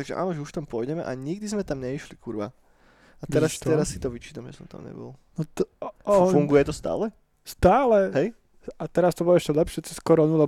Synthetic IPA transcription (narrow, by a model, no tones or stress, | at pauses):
t̪aɡʒɛ̰a̰ːnɔʒɛuʃft̪ampʊɔjɟɛmɛ̰ʔa̰ɲiɡd̪izmɛt̪amɲɛiʃlikʰuɾʋa̰ | at̪ɛɾasst̪ɛɾasːit̪ɔʋit͡ʃit̪amʒɛ̰sɔmt̪a̰mɲɛ̰bɔ̰lˠnɔt̪ɔfuŋɡujɛt̪ɔst̪a̰ːlɛ | st̪aːlɛɦɛj | at̪ɛɾast̪ɔbɔlɔɛʃcɛlɛpʃɪɛt͡sɛskɔɾɔːnulɛ